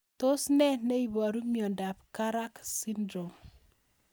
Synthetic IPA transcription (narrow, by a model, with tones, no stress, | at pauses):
to˦snɛ˦ne˦i˨βɔ˨ɾu˦mjɔ˨nda˨pka˦ɾa˦ksi˦ndɾo˨m